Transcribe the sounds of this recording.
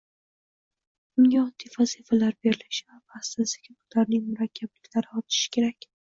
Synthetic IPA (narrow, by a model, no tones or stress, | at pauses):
ʊŋʲaɒd̪ifazifalaɾbe̞ɾɪlɪʃɪvabast̪azd̪aɡʲʰɪbʊlaɾnɪŋmʊɾakʲʰːablɪkʲlaɾɪɒt̪ʰɪ̥ʃɪ̥kʲʰe̞ɾakʲ